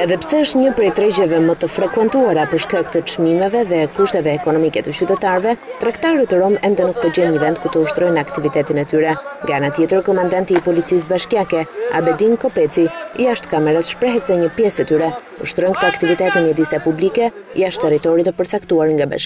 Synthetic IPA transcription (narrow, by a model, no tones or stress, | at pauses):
ɛðɛpə̥sɛəʃt̪ɲəpɾɛt̪ɾɛd͡ʑɛvɛmət̪əfɾɛkwɛnt̪uaɾapəɾʃkakt̪ət͡ʃmimɛvɛðɛkuʃt̪ɛvɛːkɔnɔmikɛt̪ət͡ɕyt̪ɛt̪aɾvɛt̪ɾakt̪aɾət̪əɾɔmɛnd̪ɛnuk̚pəɾd͡ʑɛnɲəvɛnd̪kuɾt̪əuʃt̪ɾɔjnakt̪ivit̪ɛt̪inɛt̪yɾɛŋɡaanat̪jɛt̪əɾkɔmand̪ant̪iːpɔlit͡sis̬baʃkjakɛa̰bɛd̪inkɔpɛt͡sḭjaʃt̪kamɛɾasʃpɾɛɦɛt̪sɛɲəpjɛsɛt̪yɾɛ | uʃt̪ɾɔjnk̚t̪əakt̪ivit̪ɛt̪nəɲəd̪isapublikɛ | jaʃt̪ːɛrit̪ɔɾit̪əpəɾt͡sakt̪uaɾŋɡaba̰ʃk